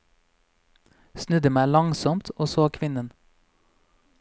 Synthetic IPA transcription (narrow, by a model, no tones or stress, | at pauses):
snʉd̪əmæːlɑŋsɔmt̪ʰoːsoːkʰʋɪnən